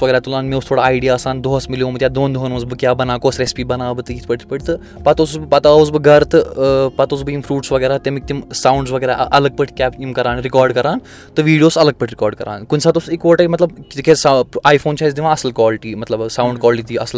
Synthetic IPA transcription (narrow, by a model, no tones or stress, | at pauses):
ʋɐɡʲəɾat̪ulãːnmeust̪ʰoːɽaːiɖijaɐsaːnd̪oɦɐsmiljoːmɐt̪ʲjaːd̪oːnd̪oɦənmɐsbɨkjaːbɐnaːkoːsɾespiːbɐnaːbɨt̪ɨit̪pɐʈpəʈʰʲt̪ɨ | pat̪osusbɨpɐt̪aus̬bɨɡɐɾt̪ɨpat̪oːsbɨimfʰɾuːʈsʋɐɡəːɾaːt̪emik̚t̪imsaːwɳɖsʋɐɡeɾaʔʔɐləɡ̚pəʈʰkʲɛːpimkɐɾaːnɾikɔːɾɖkɐɾaːn | t̪ɨʋiːɽijoːsɐləɡ̚pəʈʰʲɾikɔːɾɖkɐɾa̰ːnkunsaːt̪usekoːʈamɐt̪ləbt̪ikesaːjfʰoːnt͡ʃaːzd̪iʋãːɐsəlkʋɔːlʈiːmɐt̪lɐbsãwɳɖ̚kɔːlʈit̪iːɐsl